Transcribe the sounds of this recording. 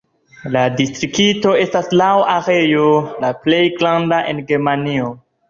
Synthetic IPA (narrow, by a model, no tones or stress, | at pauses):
ladistɾikito̞e̞staslawaɾe̞jolaple̞jɡlandaʔenɡe̞ɾmanio